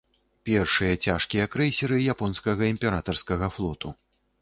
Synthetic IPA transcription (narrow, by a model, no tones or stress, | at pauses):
pʲɛrʂɨjɐt͡sʲaʂkʲijɐkɾɛjsʲiɾɨjapɔnskɐɣɐimʲpʲɛɾat̪ɐrskɐɣɐflˠɔt̪u